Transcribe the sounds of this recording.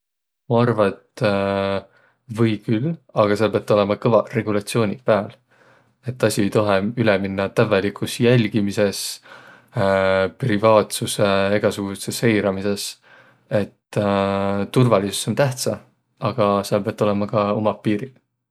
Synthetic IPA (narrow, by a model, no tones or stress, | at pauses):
mɑɑrvɑet̪ | vɤjkylɑɡ̥ɑseɑlpeɑt̪ːˑo̞le̞mɑkɤvɑre̞ɡ̥ulɑt̪sio̞ːnʲipæːl | e̞t̪ːɑsʲie̞jt̪oɦeyleminːɑt̪ævelikʰusjælʲɡ̥imise̞s | privɑːt̪suse̞e̞ɡ̥ɑsuɡ̥usese̞jɾɑmise̞s | e̞t̪ː | t̪urvɑlisu̥so̞nt̪æht̪sɑ | ɑɡ̥ɑseɑlpeɑt̪ːo̞le̞mɑkɑo̞mɑpːiːɾi